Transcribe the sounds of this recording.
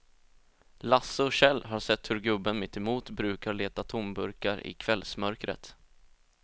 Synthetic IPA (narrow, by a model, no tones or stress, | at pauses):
lasːəɕɛlːɦaɾʂɛt̪ːhɵɾɡɵbːənmɪt̪ːɛmuːt̪bɾʉ̟ːkaɭeːt̪at̪ʰʊmbɵɾkaɾɪ̰kʰvɛlsmœɾkɾə̰t̪